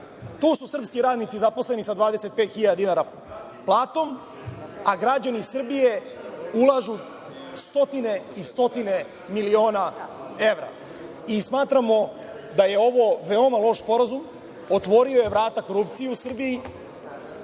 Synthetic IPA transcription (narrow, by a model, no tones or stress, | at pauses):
t̪uːsusr̩pskiɾaːd̪nit̪sizapo̞sle̞nisad̪ʋaːd̪e̞se̞t̪̚pe̞ːt̪xiʎad̪d̪inaːɾa | plˠaːt̪o̞m | aɡɾad͡ʑanisr̩bije̞ | ulˠaʒu | st̪o̞t̪ine̞ist̪o̞t̪ine̞ | milio̞ːnae̞ʋɾa̰ | ismaːt̪ɾamo̞ | d̪aje̞o̞ʋo̞ʋeo̞malˠo̞ʃspo̞ɾazum | ot̪ʋo̞ɾio̞je̞ʋɾaːt̪ako̞ɾup̚t̪sijeusr̩biji